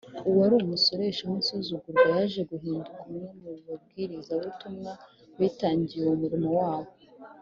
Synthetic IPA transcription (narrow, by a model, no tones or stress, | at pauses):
uwaɾumuso̞ɾeʃahonsuzuɡuɾɡwajaʒe̞ɡuɦiːndukamɲomuβab̚ɡiːɾizaβutumŋa | βiːtaːɲɟijeumuɾimo̞waːβo̞